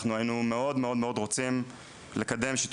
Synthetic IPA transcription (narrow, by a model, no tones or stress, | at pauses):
χnuajinume̞o̞d̪meo̞d̪meo̞d̪ʁo̞t͡sim | lekad̪e̞mʃit